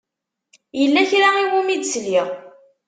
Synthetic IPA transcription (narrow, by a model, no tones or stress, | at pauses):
jəlːæçɾaiwumid̪sliʁ